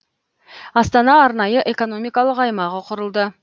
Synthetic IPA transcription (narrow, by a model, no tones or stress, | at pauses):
ɑst̪ɑnɑːɾnɑjəʔe̞ko̞no̞mijkɑlˠəqɑjmɑʁəqʰʊɾəlˠd̪ə